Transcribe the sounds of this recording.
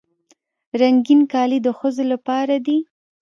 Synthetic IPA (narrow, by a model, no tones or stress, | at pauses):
ɾaŋɡinkɑlid̪əxəzolapɑɾad̪i